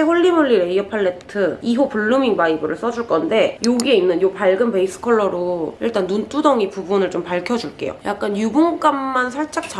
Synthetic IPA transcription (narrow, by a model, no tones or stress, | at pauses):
eɸoɭːimuɭːiɾe̞iʌpʰaɭːe̞tʰɯiɦopuɭːumiŋmaibɯɾɯɭs͈ʌd͡ʑuɭk͈ʌnde̞joɡie̞inːɯnjopaɭɡɯmpe̞is͈ʰɯ̥kʰʌɭːʌɾoiɭt͈anːunt͈ʰudʌŋipubunɯɭt͡ɕompaɭkʰʌd͡ʑuɭk͈e̞̰jo̰jak͈anjuɡuŋk͈amːansʰaɭt͡ɕ͈ak̚t͡ɕ͈a